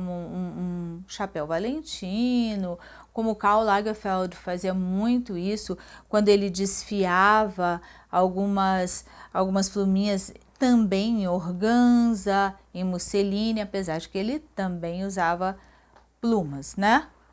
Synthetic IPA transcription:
mʊũũʃapɛwvalẽnt͡ʃĩnʊ | kõmʊkawlaɡɐfɛwd͡ʒɪfaziɐmũj̃t̪ʊisʊkwɐ̃nd̪ʊelɪd͡ʒɪsfiavɐ | awɡũmɐsawɡũmɐsplumĩɲɐst̪ɐ̃bẽj̃ẽoɾɡɐ̃zɐẽj̃muselĩnɪapezaɾd͡ʒɪkɪelɪt̪ɐ̃mbẽj̃uzavɐ | plũmɐsnɛ

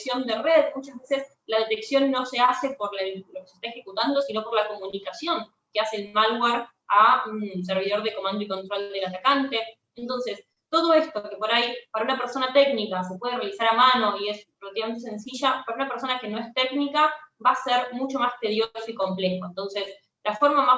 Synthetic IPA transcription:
sjo̞nd̪ereðmut͡ʃazβese̞s | laðe̞t̪eksjo̞nːo̞se̞ase̞po̞ɾlelo̞kesest̪aexe̞kut̪and̪o̞sino̞po̞ɾlako̞munikasjo̞ŋ | keaseːlmalweɾ | auns̬eɾβ̞iðo̞ɾðeko̞mãnd̪oiko̞nt̪ɾo̞ld̪elat̪akant̪e̞ | ent̪o̞nses | t̪o̞ð̞o̞e̞st̪okepoɾajpaɾaunapeɾso̞nat̪e̞knikas̬e̞pwe̞ð̞erealisaɾamano̞ie̞spɾoβat̪iβament̪es̬e̞nsiʒapaɾaunapeɾso̞nake̞no̞e̞st̪eɡnikaβaseɾmut͡ʃo̞mast̪eðjo̞soiko̞mplexoent̪o̞nses | lafo̞ɾmama

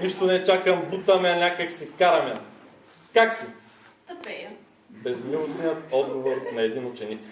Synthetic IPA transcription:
niʃt̪onɛt͡ʃakɐmbut̪ɐmɛɐnʲakəksikaɾɐmɐ | kaksi | pɛ | bɛzmilˠosnijət̪ɔd̪ɡovoɾnɐɛd̪inʊt͡ʃɛnik

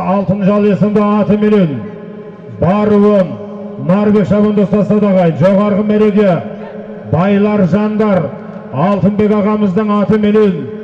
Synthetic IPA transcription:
ɑlˠt̪ənʒɑlˠe̞səmd̪ɑɑt̪əmelen | bɑɾəwən | nɑɾbe̞kʃɑβənd̪ost̪ɑst̪ɑd̪ɑʁɑjəfʒoʁɑɾʁəmeɾe̞ɡʲe | bɑjlˠɑɾʒɑnd̪ɑɾ | ɑlˠt̪ənbe̞kʲɑʁɑməzd̪əɴɑt̪əmelen

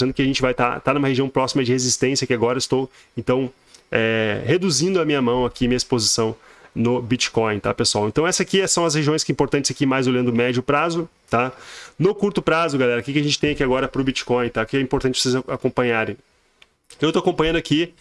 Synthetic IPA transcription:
ɐ̃nd̪ʊkɪaʒẽnt͡ʃɪvajt̪a̰t̪anũmɐheʒiɐ̃w̃pɾɔsimɐd͡ʒɪhezist̪ẽsjɐkɪaɡɔɾɐist̪ow | ẽnt̪ɐ̃w̃ | ɛhed̪uzĩnd̪ʊɐmĩɲɐmɐ̃w̃akʰimĩɐispozisɐ̃w̃nʊbit͡ʃi̥kõj̃t̪apesuawẽt̪ɐ̃w̃ɛsɐakiɛsɐ̃w̃ɐs̬heʒiõj̃skɪĩmpoɾt̪ɐ̃nt͡ʃɪsakimajzoʎɐ̃nd̪ʊmɛd͡ʒʊpɾazʊ | t̪anʊkuɾt̪ʊpɾazʊɡalɛɾɐkɪkɪɐʒẽnt͡ʃɪt̪ẽj̃akiaɡɔɾɐpɾʊbit͡ʃi̥kɔ̃j̃t̪aʊkɪɛĩpoɾt̪ɐ̃t͡ʃɪvosezaakõpɐ̃ɲaɾẽj̃ | ewt̪owakõpɐ̃j̃ɐ̃nd̪ʊaki

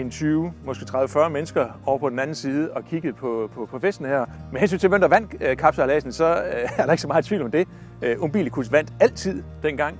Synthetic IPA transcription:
ent͡sʰyːʊmɒ̽sɡ̥e̝ːt͡sʰʁaðˠəfɶɐmenəsɡ̥ɐʔɒʊ̰ɐpʰɒ̽d̥en̩ænn̩siːð̞ˠɒ̽kʰiɡ̥əð̩ˠpʰɒ̽pʰɒ̽pʰɒ̽fesd̥n̩hæɐmenhensy̰nt͡sʰeʋend̥ɐʋæn̰̥kʰɑ̈b̥sɐælɛːsn̩sɒ̽æɐɾɑ̈ɪɡ̥sɒmɑ̈ːð̩ˠt͡sʰʋḭʊ̰lɒ̽md̥e̝ | øʔomb̥ḭlkʰusʋæn̰d̥æl̰t͡sʰið̞̰ˠ | d̥enɡ̥ɑ̈ŋ̰

